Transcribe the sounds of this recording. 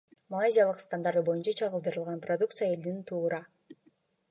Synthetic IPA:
mɐlˠajzʲijalˠɯqst̪and̪aɾt̪ɯbo̞junt͡ʃɑt͡ʃʰɑʁɯlˠd̪ɯɾɯlˠʁɑnprod̪uk̚t̪sɨjae̞ld̪int̪ʰuːɾɑ

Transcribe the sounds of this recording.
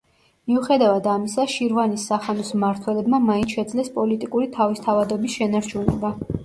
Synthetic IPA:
miuχɛd̪avad̪amisaʃiɾvanisːaχanɔsmaɾt̪ʰwɛlɛbmamainʰʃɛd̪zlɛspʼɔlit̪ʼikʼuɾit̪ʰavist̪ʰavad̪ɔbisʃɛnaɾt͡ʃʰunɛ̰ba

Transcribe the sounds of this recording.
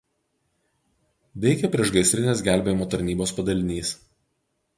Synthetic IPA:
ʋʲɛɪkʲɛpʲɾʲiɛʃɡɐɪsʲɾʲɪnʲeːsɡʲæˑlʲbʲeːjɪmoːt̪ɐɾʲnʲiːboːspɐd̪ɐlʲɪnʲiːs

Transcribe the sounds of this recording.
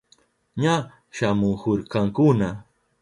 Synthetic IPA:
ɲa | ʃamʊŋkoɾkɑŋkʊna

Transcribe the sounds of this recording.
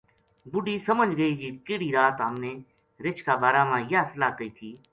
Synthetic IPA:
bʊɖiːsəməd͡ʒɡəiːd͡ʒiːkɪːɽiːɾaːt̪ɦəmneː | ɾɪt͡ʃʰkaːbaːɾaːmãːjaːsəlaːkəiːt̪ʰiː

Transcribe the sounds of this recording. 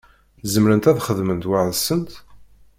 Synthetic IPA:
zəmɾənt̪æðχəðmənt̪waʕðsənt̪

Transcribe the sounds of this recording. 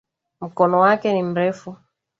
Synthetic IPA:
m̩kɔnɔwakɛnim̩ɾɛfu

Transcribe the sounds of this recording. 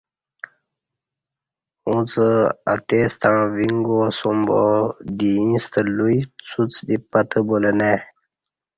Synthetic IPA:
ũt͡səa̰t̪est̪aɳviŋɡosumbod̪iĩst̪əlujt͡sʰut͡sd̪ipat̪əboləne

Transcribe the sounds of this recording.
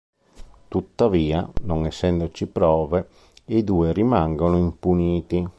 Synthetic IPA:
t̪ut̪ːaviːanoŋɛsːɛnd̪ot͡ʃipɾɔːve | id̪uːeɾimaŋɡonoimpuniːt̪i

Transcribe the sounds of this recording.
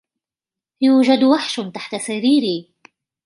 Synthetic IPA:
juːd͡ʒad̪waħʃt̪aħt̪asaɾiːɾiː

